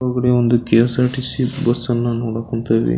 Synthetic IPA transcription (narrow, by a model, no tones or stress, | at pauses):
aːɡɐɽeond̪ukesaːʈisiʈbɐsːɐnːɐnoːɽakuɳt̪ɐʋḭ